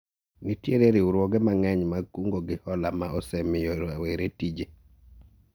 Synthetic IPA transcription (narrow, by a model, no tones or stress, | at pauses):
nitjeɾeɾɪuɾwɔɡɛmaŋɛɲmakuŋɡoɡɪhɔlamaʔɔsɛmɪjoɾaweɾetid͡ʒe